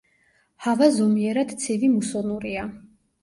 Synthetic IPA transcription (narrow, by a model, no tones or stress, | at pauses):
havazɔmiɛɾad̪t̪sʰivimusɔnuɾia